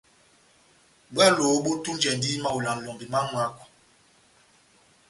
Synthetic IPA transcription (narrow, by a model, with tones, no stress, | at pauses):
ɓwa˦lo˨˦ɓu˦tu˦nd͡ʒɛ˨ndi˦ma˦˨wu˨la˨ŋ̩˨lɔ˨mbi˨ma˦mwa˦kɔ̥˨